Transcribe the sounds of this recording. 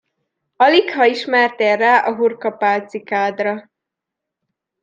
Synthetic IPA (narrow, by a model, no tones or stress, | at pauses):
ɒlikhɒiʃmɛrt̪eːrːaːʔɒɦurkɒpaːlt̪sikaːd̪rɒ